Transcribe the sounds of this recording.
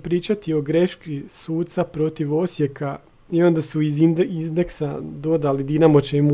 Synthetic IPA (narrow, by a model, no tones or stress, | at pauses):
pɾiːt͡ʃat̪io̞ɡɾe̞ʃkisuːt̪t̪sapɾo̞t̪iʋo̞sje̞ka | io̞nd̪asuiznd̪iznd̪eksad̪o̞d̪alid̪inamot͡ʃemu